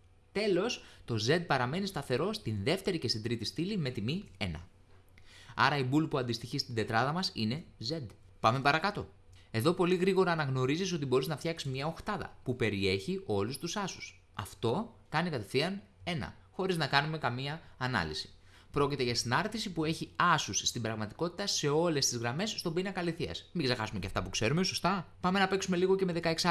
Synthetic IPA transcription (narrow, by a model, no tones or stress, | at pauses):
t̪e̞lo̞st̪o̞ze̞d̪̚pɐɾɐme̞nist̪ɐθe̞ɾo̞st̪inðe̞ft̪e̞ɾicest̪id̪ɾit̪ist̪ilime̞t̪imie̞̰nɐ̰ | ɐ̰ɾɐibulpuɐnd̪ist̪içist̪ind̪e̞t̪ɾɐðɐmɐsḭne̞ze̞d̪ | pɐmepɐɾɐkɐt̪o̞̰ | e̞ðo̞po̞liɣɾiɣo̞ɾɐːnɐɣno̞ɾiziso̞t̪̬ibo̞ɾiznɐft̪çɐksizmɲɐo̞xt̪ɐðɐ̰pupe̞ɾie̞çio̞lust̪usɐsu̥s | ɐ̰ft̪o̞kɐnikɐt̪e̞fθiɐn | e̞nɐ̰ | xo̞ɾiznɐkɐnume̞kɐmiɐːnɐ̰lisi̥ | pɾo̞cit̪e̞ʝɐst̪inɐɾθisipue̞çiɐsusːt̪ibɾɐɣmɐt̪i̥ko̞t̪i̥t̪ɐse̞o̞le̞st̪izɣɾɐme̞sst̪o̞binɐkɐliθiɐ̰smiɡzexɐsume̞ceɐft̪ɐpukse̞ɾume̞so̞st̪ɐpɐme̞nɐpe̞ksume̞liɣo̞ce̞me̞ðe̞kɐeks